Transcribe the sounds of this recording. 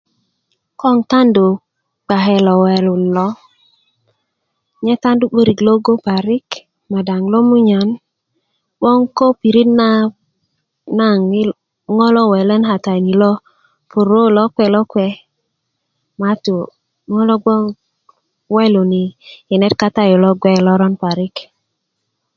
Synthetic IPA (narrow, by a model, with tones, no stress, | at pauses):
kɔ˦ŋta˦ndu˨ | k͡pa˨ɦɛ˨lɔ˨wɛ˨lu˨nlɔ˦ | ɲɛ˦ta˦ndu˦k͡po˦ɾi˨klo˦ɡo˦pa˨ɾi˦k | ma˨da˨ŋlɔ˦mu˦ɲa˨n | ɓɔ˦ŋko˦pi˨ɾi˦tna˦ | na˦˨ŋ˦ | ŋɔ˦lɔ˦wɛ˨lə˦nɦa˨ta˨i˨ni˨lɔ˦ | pu˨ɾo˦lɔ˦kwɛ˦˨lɔ˦kwɛ˦ | ma˨tu˨ | ŋɔ˦lɔ˦ɡɔ˦ | wɛ˦lo˨ni˨i˨nɛ˦t̚ka˦ta˦jo˨lɔ˦ɡwɛ˦˨lɔ˦ɾɔ˦npa˨ɾi˦k